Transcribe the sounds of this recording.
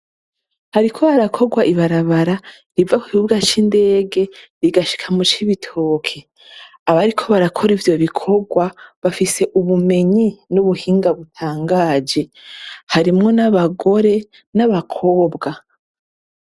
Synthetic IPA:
haɾikʰo̞βaɾakʰo̞ɡwaʔiβaɾaβaɾa | ɾivaku̥kiuɡat͡ʃinde̞ːɡe̞ɾiɡaʃi̥kʰamut͡ʃiβitʰo̞ːkʰe̞ | aβaɾikʰo̞βaɾakʰo̞ɾivjo̞βikʰo̞ɡwaβafise̞ʔuβume̞ɲinuβuhiːŋɡaβutʰaːŋɡaːd͡ʒe̞haɾimŋo̞naβaɡo̞ɾe̞ | naβakʰo̞ːbɡa

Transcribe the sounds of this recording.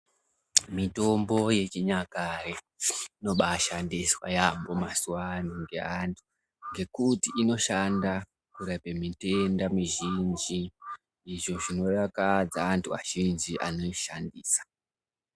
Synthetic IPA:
mito̞mbo̞je̞t͡ʃiɲakaɾe | ino̞ɓaʃandiswa̰jambo̞masuwanuŋɡe̞̰antʰu̥ | ŋɡe̞kutiʔino̞ʃanda | kuɾapemite̞ndamiʒind͡ʒiː | ʐo̞ʐino̞rakad͡zaːntʰuʋa̰ʒ̥ind͡ʒiʔa̰no̞iʃandiːsḁ

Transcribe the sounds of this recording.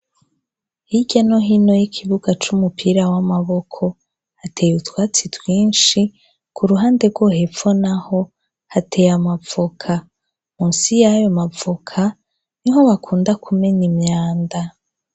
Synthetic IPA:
hiɟano̞ɦino̞jikʰiβuɡat͡ʃumupʰiɾawamaβo̞kʰo̞ | hatʰejutwaːt͡sitwiːnʃi | kʰuɾuɦaːnde̞ɡwo̞ɦe̞fonaho̞ | hatʰe̞jamavokʰa | muːnsijajo̞mavokʰa | niɦo̞βakʰuːndakʰume̞ɲimɲaːnda

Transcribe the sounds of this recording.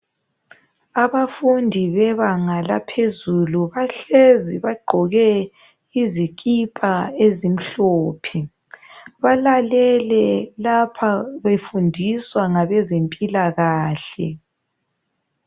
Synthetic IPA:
aβafundʱiβɛβaŋala̰pʰezuluβaɬeziβaɡ͡ǃʱɔɣɛ | izikʼipʼaezim̩ɬoːpʰi | βalalɛlɛlapʰaβefundʱiswaŋaβɛzempʼilaɣaːɬɛ̰

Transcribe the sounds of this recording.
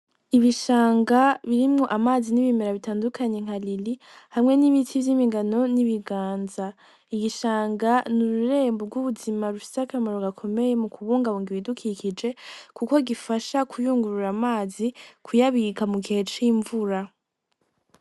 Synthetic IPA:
iβiʃaːŋɡaβiɾimŋo̞ʔamaːziniβimeɾaβitaːndukʰaɲe̞ŋ̥alili | hamŋe̞niβitʰivjimiŋɡano̞niβiɡaːnza | iɡiʃaːŋɡanuɾuɾe̞ːmboɡuβuzimaɾufi̥sakamaɾoɡakʰo̞me̞je̞mukuβuːŋɡaβuːŋɡiβidukʰikʰid͡ʒe̞kuko̞ɡifaʃakʰujuːŋɡuɾuɾamaːzikʰujaβikamuke̞t͡ʃiɱvuɾa

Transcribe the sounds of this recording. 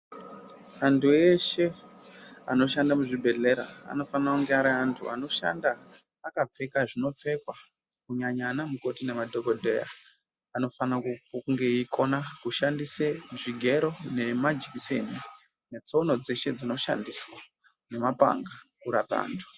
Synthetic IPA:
antʰue̞ʃe̞ | a̰no̞ʃandamuʐibʱe̞ɮe̞ɾa̰a̰no̞fanakuŋɡeaɾiantʰṵano̞ʃa̰ndaː | kap͡fe̞kaʐino̞p͡fe̞kwa | kuɲaɲanamuko̞tine̞madʱo̞kodʱḛja̰ː | no̞fanaŋɡe̞ikʰo̞nakuʃandiseʐiɡʱe̞ɾo̞ne̞mad͡ʒikiseni | ne̞t͡so̞no̞d͡ze̞ʃe̞d͡zino̞ʃa̰ndiswa | ne̞mapa̰ŋɡakuɾapa̰ːntʰu̥

